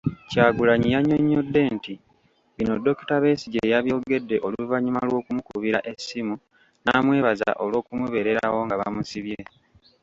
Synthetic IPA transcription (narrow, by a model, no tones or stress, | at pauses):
caːɡulaɲijaɲːoɲːodːe̞ːnti | βinodːo̞ki̥taβe̞ːsiɟejaβjo̞ːɡe̞dːe̞ʔo̞luvaɲimalwo̞ːkumukuβiɾaʔe̞simu | namwe̞ːβaza̰ʔo̞lwo̞ːkumuβe̞ɾe̞ɾawo̞ŋɡaβa̰musiβiɾe̞